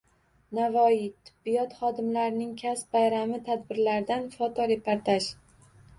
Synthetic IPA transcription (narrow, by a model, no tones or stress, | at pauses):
navɒjit̪ʰɪ̥bːijɒt̪χɒd̪ɪmlaɾɪnɪŋkʲʰasbajɾamɪt̪ʰad̪̚bɪɾlaɾd̪anfɒt̪ʰɒɾe̞pʰaɾt̪ʰaʃ